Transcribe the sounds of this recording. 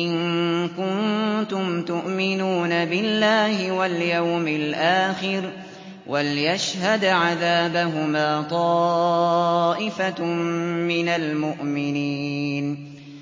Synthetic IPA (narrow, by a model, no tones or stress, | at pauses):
ʔɪnkʊnt̪ʊmt̪ʊʔmɪnuːnabɪlːaːhɪwaljawmɪlʔaːxɪɾ | wʔalɪjaʃhad̪ʕaðaːbaɦʊmaːt̪ˤɑː | ʔɪfa | mɪnalmʊʔmɪniːn